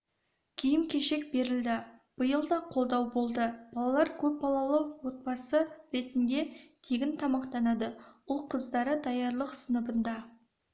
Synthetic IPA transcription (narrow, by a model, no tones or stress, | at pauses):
kʲʰijɪmkʲʰe̞ʃe̞k̚be̞ɾɪld̪ɪb̥əjəlˠd̪ɑqʰo̞lˠd̪ɑwbo̞lˠd̪əb̥ɑlˠɑlˠɑɾkʲʰɵp̚bɑlˠɑlˠəwo̞t̪̚bɑsəɾe̞t̪ɪnd̪e̞t̪ʰeɡʲɪnt̪ʰɑmɑqt̪ɑnɑd̪əwʊlˠqʰəzd̪ɑɾəd̪ɑjɑɾlˠəqsənəbənd̪ɑ